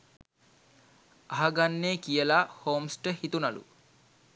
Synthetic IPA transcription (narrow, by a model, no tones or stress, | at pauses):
aɦaɡanːeːkijəlahoːmsʈəhit̪unalṵ